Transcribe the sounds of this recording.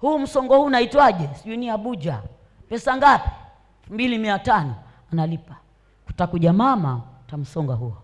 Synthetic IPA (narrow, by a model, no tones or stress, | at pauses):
huːm̩sɔŋɡɔhuːnaitwaʄɛsiʄuniaɓud͡ʒa̰ | pɛsaŋɡapi̥ | ɛlfumbilimiatanɔ | analipḁ | ku̥takuʄamamatam̩sɔŋɡahuɔ